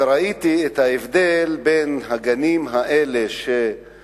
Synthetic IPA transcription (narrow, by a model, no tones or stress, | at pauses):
ɾait̪iet̪haevd̪elbe̞nɦaɡanimɦaʔele̞ʃe